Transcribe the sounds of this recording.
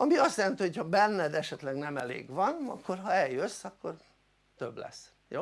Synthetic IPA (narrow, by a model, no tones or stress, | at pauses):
ɒmiɒst̪jɛlɛnt̪ihochɒbɛnːɛd̪ɛʃɛt̪lɛɡnɛmɛlḛːɡvɒnɒ̰kːorɦɒɛljøsːɒkːo̞r | t̪øblɛ̰sː | jo̰ː